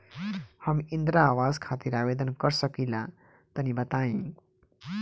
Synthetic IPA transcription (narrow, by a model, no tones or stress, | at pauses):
hʌmind̪ɾaːwad͡zkʰat̪iɾabed̪ənkʌɾsʌkila | t̪ʌnibʌt̪aĩ